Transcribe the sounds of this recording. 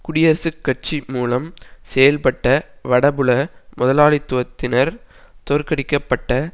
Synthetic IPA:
kʊɽɪjɐɾsɯkːɐʈ̚t͡ʃimuːlɐmsɛjɐlpɐʈːɐʋɐɽɐbɯɭɐmʊðɐlaːlɪt̪ːɯʋɐt̪ːɪnɐɾ | t̪ɔɾkɐɽɪkːɐpːɐʈːɐ

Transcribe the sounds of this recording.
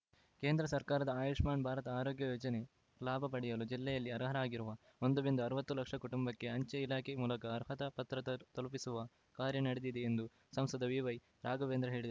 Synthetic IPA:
ke̞ːnd̪ɾɐsɐɾkaːɾɐd̪ɐaːjuːʂmaːnbʱaːɾɐt̪ɐaːɾoːɡjɐjoːd͡ʒɐne̞ | laːbʱɐpɐɽijɐlud͡ʒilːɛjɐlːiɐɾɐɦɐɾɐaːɡiɾuʋɐ | ond̪ubind̪uɐɾuʋɐt̪ːulɐkʂɐkuʈumbɐkːe̞ɐɲt͡ʃɐilaːkʰemuːlɐkɐːɾɦɐt̪ɐpɐt̪ɾɐt̪ɐlpisuʋɐ | kaːɾjɐnɐɽed̪id̪eːnd̪u | sɐmsɐd̪ɐʋiʋɐj | ɾaːɡɐʋeːnd̪ɾɐɦe̞ːɭid̪ɐ

